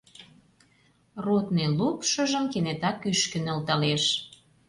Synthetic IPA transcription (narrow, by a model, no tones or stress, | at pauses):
rot̪nelupʃə̆ʒə̆mkenet̪ɑkyʃkə̆nə̆lt̪ɑleʃ